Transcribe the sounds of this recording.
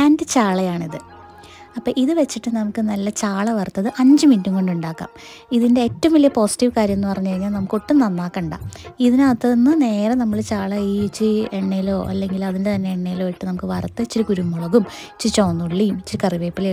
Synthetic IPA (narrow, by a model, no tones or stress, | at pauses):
aːndɨt͡ɕaːɭɐjaːɳiðɨ | ɐpːoːʔiðɨʋet͡ɕːiʈːɨnɐmukːɨnɐlːɐt͡ɕaːɭɐʋɐrt̪ːɐðɨʔɐɲd͡ʑɨminduŋko̞ɳɖuɳɖaːkːa̰ːm | iðinde̞eːtːɐʋumilːijɐpo̞ːsi̥ʈːiʋkaːɾjɐmenːɨpɐrɐɲːukɐɻiɲːaːlnɐmukːuʈːunɐnːaːkːɐɳɖa̰ːiðinaːt̪ːɐðenːɨne̞ːɾɐnɐmːɐɭt͡ɕaːɭɐiit͡ɕːɨeɳːejilo̞ːʔɐ̰lːe̞ŋɡilɐðindet̪ɐnːe̞eɳːejilo̞ːiʈːɨnɐmukːɨʋɐrɐt̪ːɨit͡ɕːiɾukuɾumːoɭɐɣum | it͡ɕːit͡ɕoːnːuɭːiumit͡ɕːiɾɨkɐriʋeːpːile